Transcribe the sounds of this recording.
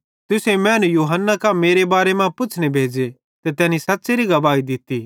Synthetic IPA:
t̪ʊsemɛ̃ːnũjuːɦənːakãmeːɾebaːɾemãpʊt͡ʃʰnebʱeːd͡ʒe | t̪et̪ɛːnĩsɐtːseɾiɡɐbaːid̪ɪt̪iː

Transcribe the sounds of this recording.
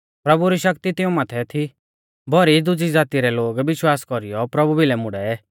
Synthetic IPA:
pɾɐbuɾiʃɐkt̪it̪ɪũmaːt̪ʰɛt̪ʰi | bʱɔɾid̪ʊd͡zid͡zaːt̪iɾɛloːɡʋɪʃwaːskɔɾijɔpɾɐbubʱilɛmʊɽɛɛ

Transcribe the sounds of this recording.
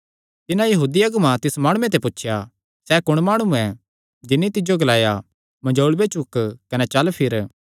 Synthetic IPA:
t̪ɪnãjɐɦuːd̪iɐɡmãt̪ɪsmaːɽ̃ũẽt̪̬epʊtːʃʰja | sɛkʊɽ̃maːɽ̃uɛ | d͡ʒɪnːit̪ɪd͡ʒjoɡɐlaːja | mɐ̃d͡ʒoːlbet͡ʃʊkkɐnɛt͡ʃɐlpʰɪɾ

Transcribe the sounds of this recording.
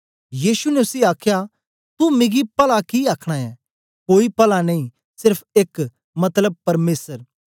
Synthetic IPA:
jiːsunɛʊsiaːkʰja | t̪umẽːɡipɐlakiaːkʰɽ̃aɛ | koːipɐlanɐĩ | sɪɾpʰeːk | mɐt̪ləb̚pɐɾmeːsəɾ

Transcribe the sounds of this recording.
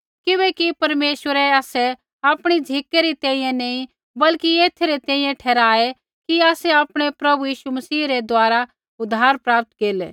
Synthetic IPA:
kɪbɛkipɐɾmeːʃwəɾɛaːsɛ | aːpɽ̃id͡ʒʱikːeɾit̪ɛ̃ːĩjẽnẽĩ | bɐlkieːt̪ʰeɾet̪ɛ̃ːĩjẽʈʰɛːɾaːe | kiaːsɛaːpɽ̃epɾɐbujiːʃumɐsiːɾed̪waːɾa | ʊd̪ʱaːɾpɾaːp̚t̪keːlḛː

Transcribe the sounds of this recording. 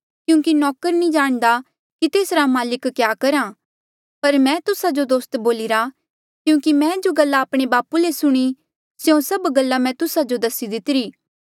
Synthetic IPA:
kjũːkinɔːkəɾnĩd͡ʒaːɽ̃d̪a | kit̪eːsɾamaːlɪkːjaːkɐɾa | pɐɾmɛ̃ːt̪ʊsad͡ʒod̪oːst̪boːlɪɾa | kjũːkimɛ̃ːd͡ʒoɡɐlːaːpɽ̃ebaːpulesʊɽ̃i | sjõsɐbɡɐlːamɛ̃t̪ʊsad͡ʒod̪ɐsid̪ɪt̪ɪɾiː

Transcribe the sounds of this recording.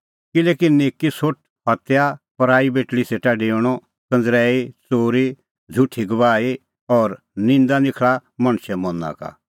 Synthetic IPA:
kɪleːkineːkisʊʈ̚ | ɦɐt̪japɐɾaːibeːʈɽiseːʈaɖeːɽ̃ɔ | kɐ̃nd͡zɾɛːit͡soːɾi | d͡zʱʊʈʰːiɡɐbaːi | ɔːɾ | nɪ̃nd̪anɪkʰɭamɐ̃ɽ̃ʃɛmɔ̃na̰ka̰

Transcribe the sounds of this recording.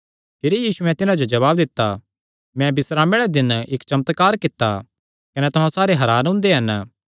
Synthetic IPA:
pʰeːɾejiːsuɛ̃t̪ɪnãd͡ʒod͡ʒɐβaːbd̪ɪt̪ːa | mɛ̃bɪsɾaːmeɽɛd̪ɪnɪkt͡ʃɐmt̪kaːɾkɪt̪ːa̰ | kɐnɛt̪ʊɦãsaːɾeɦɐɾaːnɦʊ̃nd̪eɦɐn

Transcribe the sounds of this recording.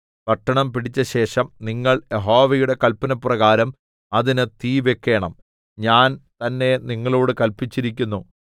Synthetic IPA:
pɐʈːɐɳɐmpiɽit͡ɕːɐɕe̞ːʂɐmniŋːɐɭje̞ɦo̞ːʋɐjuɽe̞kɐlpɐnɐprɐɣaːɾɐm | ɐðinɨt̪iːʋekːe̞ːɳɐm | ɲaːnt̪ɐnːe̞niŋːɐɭoːɽɨkɐlpit͡ɕːiɾikʲːunːu

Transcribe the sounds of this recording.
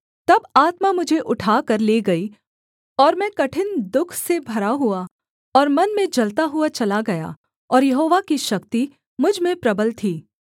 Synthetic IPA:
t̪ɐbaːt̪mamʊd͡ʒʱeʔʊʈʰaːkɐɾleːɡɐi | ɔːɾmɛ̃ːkɐʈʰɪnd̪ʊkʰsebʱɐɾaɦua | ɔːɾmɐnmẽd͡ʒɐlt̪aɦuat͡ʃɐlaɡɐja̰ː | ɔːɾjɐɦoːʋakiʃɐkt̪i | mʊd͡ʒʱmẽpɾɐbəlt̪ʰiː

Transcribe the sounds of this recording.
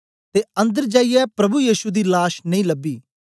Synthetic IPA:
t̪eːə̃nd̪əɾd͡ʒaːijɛpɾɐbujiːʃud̪iːlaːʃnəĩːləbiː

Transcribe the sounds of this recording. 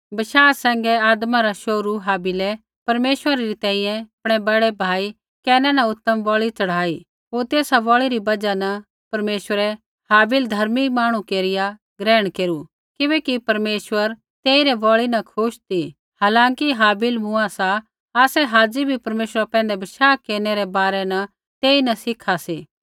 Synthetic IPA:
bɐʃaːsɛ̃ːŋɡɛaːd̪maɾaʃoːɾuɦaːbɪlɛ | pɐɾmeːʃʋəɾaɾit̪ɛ̃ːĩjɛ̃ɐpɽ̃ɛbɐɽɛbʱaːi | kɛːnɛnɐʊt̪ːəmbɔːɭit͡sɐɽ̤aːi | ɦoːɾt̪eːsabɔːɭiɾibɐd͡ʒanɐ | pɐɾmeːʃəɾɛ | haːbɪld̪ʱɐɾmimaːɽ̃ũkeːɾɪja | ɡɾɛːɽ̃keːɾu | kɪbɛːkipɐɾmeːʃwəɾ | t̪eːiɾɛbɔːɭinɐkʰʊʃt̪ʰi | haːlãːŋkiɦaːbɪlmʊ̃asa | aːsɛɦaːd͡ʒibʱipɐɾmeːʃəɾapɛ̃ːnd̪ɛbɐʃaːkːeːɾneɾɛbaːɾɛnɐ | t̪eːinɐsɪkʰaseː

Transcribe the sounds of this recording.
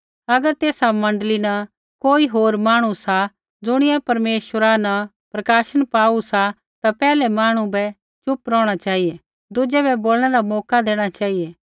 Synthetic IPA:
ɐɡəɾt̪eːsamɐ̃ɳɖəlina | koːiɦoːɾmaːɽ̃usa | d͡zʊɽ̃ɪɛpɐɾmeːʃwəɾana | pɾɐkaːʃəɽ̃paːusa | t̪apɛːlɛmaːɽ̃ũbɛ | t͡ʃʊpɾɔ̃ːɽ̃at͡ʃaːɦijɛ | d̪ʊd͡ʒɛbɛboːlɽ̃ɛɾamɔːkad̪eːɽ̃at͡ʃaːijɛ

